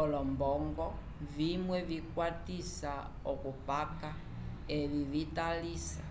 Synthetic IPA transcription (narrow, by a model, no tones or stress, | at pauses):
ɔlɔmbɔŋɡɔ | vimwɛvikwatisa | ɔkupaka | evivitalisa